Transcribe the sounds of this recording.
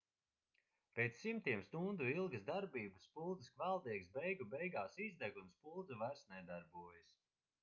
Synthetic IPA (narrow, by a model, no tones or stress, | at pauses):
pʲet̪sːimt̪iɛmst̪und̪uilˠɡɨzd̪aɾbiːbɨspulˠd̪zɨskvælˠd̪iɛɡsbɛjɡubɛjɡaːsizd̪æɡunspulˠd̪zuvæɾsnɛjd̪aɾbuɔjəs